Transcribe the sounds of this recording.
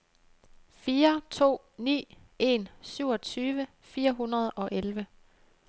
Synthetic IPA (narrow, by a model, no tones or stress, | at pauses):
fiːɐt͡sʰo̝̰ː | nḭː | e̝nsyʊ̰ɒ̽t͡sʰyːʋə | fiːɐɦunɐð̞ˠɒ̽ʔelʋə